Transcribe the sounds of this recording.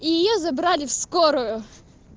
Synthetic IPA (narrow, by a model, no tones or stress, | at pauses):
ijɪjozɐbɾalʲɪfskoɾʊjʊ